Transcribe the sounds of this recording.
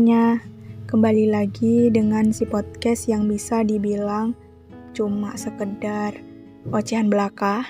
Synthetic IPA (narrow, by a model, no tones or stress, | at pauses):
ɲakəmbalilaɡidəŋansipɔt̪̚kɛsjaŋbisadibilaŋ | t͡ʃumasəkədar | ot͡ʃiɦanbəlaka